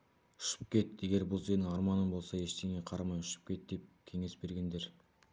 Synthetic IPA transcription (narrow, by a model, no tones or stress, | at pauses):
ʏ̥ʃɪ̥p̚kʲe̞t̪eɡʲe̞ɾbʊlˠzed̪ɪŋɑɾmɑnənbo̞lˠsɑe̞ʃt̪eŋe̞qʰɑɾɑmɑjʏʃɪ̥p̚kʲe̞t̪̚d̪̥e̞p̚kʲʰe̞ŋe̞sbe̞ɾɡʲe̞nd̪e̞ɾ